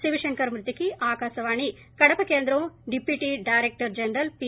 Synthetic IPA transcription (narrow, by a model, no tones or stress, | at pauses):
siʋiʂɐŋkɐɾmɾɨt̪ːikiʔaːkaːsɐʋaːɳi | kɐɽɐpɐkeːnd̪ɾɐ̃ɖipiʈiɖajɾek̚ʈɐɾd͡ʒɐnɾɐlpi